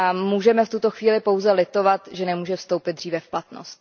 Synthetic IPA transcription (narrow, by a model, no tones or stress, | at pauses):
amuːʒɛmɛft̪ut̪o̞xviːlɪpo̞wzɛlɪt̪o̞vat̪ʒɛnɛmuːʒɛfst̪o̞wpɪd̪̚dr̝iːvɛfplat̪no̰st̪